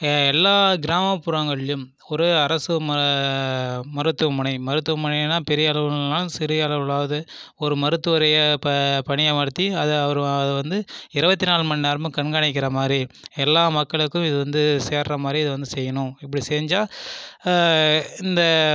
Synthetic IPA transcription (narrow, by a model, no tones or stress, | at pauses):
ɛlːaːɡɪɾaːmɐpːʊɾɐŋɡɐɭɪjɯm | ɔɾɯɐɾɐsɯmɐ | mɐɾɯt̪ːɯɐmɐɳɐɪmɐɾɯt̪ːɯʋɐmʊnɐɪnːaːpɛɾɪjɐɐɭɐʋɯɐnaːlɯsɪɾɪjɐɐɭɐʋɯɭaːʋɐðɯ | ɔɾɯmɐɾɯt̪ːɯʋɐɾɐjɐppɐɳɪjɐmɐɾt̪ːiɐðɐʋɐɾɐðɯʋɐnd̪ɯɪɾɯbɐt̪ːinaːlmɐnːɪnaːɾmɯ̃kɐɳɡaːɳɪk̬ːɪɾɐmaːd̪ɾiɛlːaːmɐkːɐɭɯkːɯ̃mɪðɯʋɐnd̪ɯseːɾɾɐmaːd̪ɾiɐðɯʋɐnd̪ɯsɛjːɐnʊ̃ɪpːɐɽiseːɲd͡ʒaː | ɪnd̪ɐ